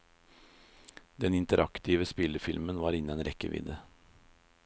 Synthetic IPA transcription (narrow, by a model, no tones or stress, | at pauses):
d̪ɛnɪnt̪əɾʔɑkt̪ʰiːʋəspɪləfɪlmənʋɑːɾɪnənɾɛkə̰ʋʔɪ̰d̪ə